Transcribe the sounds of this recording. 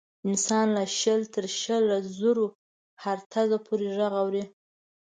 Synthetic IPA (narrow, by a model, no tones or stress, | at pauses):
ɪnsɑnlaʃəlt̪ʰəɾʃəlazuɾo | haɾt̪ʰazapʰoɾeʒaɣawɾi